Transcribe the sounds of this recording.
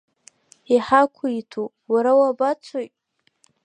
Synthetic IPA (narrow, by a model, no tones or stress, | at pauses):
iħakʷʰuitʰu | waɾawabat͡sʷʰojtʼ